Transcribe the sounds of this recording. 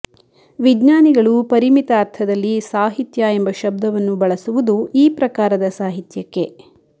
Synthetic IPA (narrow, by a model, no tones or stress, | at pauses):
ʋid͡ʒnaːniɡɐɭupɐɾimit̪aːɾt̪ʰɐd̪ɐlːisaːɦit̪jɐembɐʃɐb̚d̪ɐʋɐnːubɐɭɐsuʋud̪uiːpɾɐkaːɾɐd̪ɐsaːɦit̪jɐkːe̞